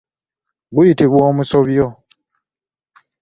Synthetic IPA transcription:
ɡujitiβwoːmusoβjo

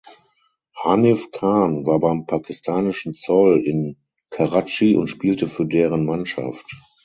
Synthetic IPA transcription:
hanɛfkʰaːnvaːɐbaɪmpʰakɪstʰaːnɪʃn̩t͡sɔlɪn | kʰaʁat͡ʃiʔʊ̰ntʃpiːltəfyːɐdeːʁənmanʃa̰ft

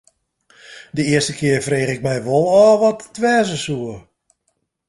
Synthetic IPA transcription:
dəɪəstəkʰɪːərfreːχɪk̚mɛjʋolˠɔːʋɔtːʋɛːzəsuə

